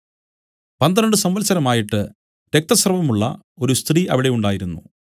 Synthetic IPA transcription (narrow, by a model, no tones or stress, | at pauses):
pɐnd̪ɐnɐɳɖɨsɐmʋɐlsɐɾɐmaːjiʈːɨ | ɾek̚t̪ɐsrɐʋɐmuɭːɐ̰ | o̞ɾust̪riːʔɐʋiɽe̞juɳɖaːjiɾunːu